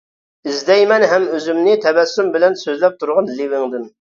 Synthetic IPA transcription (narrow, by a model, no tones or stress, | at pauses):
ɪzd̪ɛjmɛnɦɛmøzymnɪt̪ʰɛbɛsːymbɪlɛnsøzlɛp̚t̪ʰuɾʁɑnlivɪŋd̪ɪm